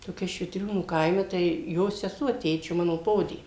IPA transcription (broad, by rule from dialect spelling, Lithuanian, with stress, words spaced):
toːˈkʲɛ ʃʲʋʲɪtʲˈrʲuːnuː ˈkɐɪmʲɛ tɐɪ ˈjoː sʲɛˈsuɔ ˈtʲeːt͡ʃʲoː ˈmɑːnoː ˈpoːdʲeː